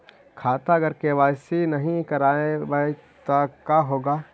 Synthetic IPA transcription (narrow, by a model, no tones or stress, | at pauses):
kʰaːt̪aɡəɾkeʋaːsinɐɦĩkɐɾaːẽbɐ | t̪akaːɦoːɡaː